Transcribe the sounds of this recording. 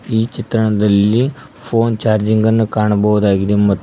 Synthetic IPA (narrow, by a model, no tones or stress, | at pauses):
iːt͡ʃit̪ɾɐɳɐd̪ɐlːi | pʰo̞ːnt͡ʃaːɾd͡ʒiŋɡɐnːukaːɳɐbɐʋud̪aːɡid̪emɐt̪ː